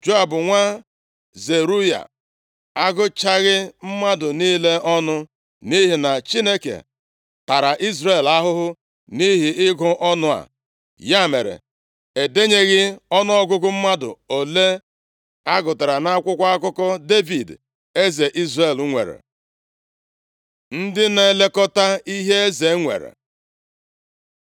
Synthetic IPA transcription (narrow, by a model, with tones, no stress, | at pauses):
d͡ʒo˦a˨bʊ˨ŋʷa˦ | ze˨ɾu˦ja̰˨ | a˦ɡʊ˦t͡ʃa˦ɣɪ˦m̩˦ma˦dʊ˨niː˦le˦ɔ˦nʊ˦ | ni˦ɦi˨na˨t͡ʃi˦ne˦kḛ˨ | ta˨ɾa˨ʔi˦zre˦˨la˦ɦʊ˦ɦʊ˦ | ni˦ɦi˨ɪ˦ɡʊ˦ʔɔ˦nʊ˦a̰˨ | ja˦˨me˨ɾḛ˨ | e˨de˦ɲe˦ɣɪ˦ɔ˦nʊ˦ɔ˦ɡʊ˦ɡʊ˦m̩˦ma˦dʊ̰˨o˨le˦ | a˦ɡʊ˨ta˨ɾa˨na˦a˦kʷʊ˦kʷa˦a˦kʊ˦kɔ˦de˦vi˨d | e˦ze˨ʔi˦zre˦˨lŋʷḛ˨ɾḛ˨ | n̩˦dɪ˦ne˨le˦kɔ˦ta˦i˦ɦe˦e˦ze˨˦ŋʷḛ˨ɾḛ˨